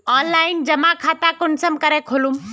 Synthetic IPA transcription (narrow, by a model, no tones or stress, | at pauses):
ɔːnlaːɪnd͡ʒɐmãkʰaːt̪akʊɳsəmkɐɾekʰoːlum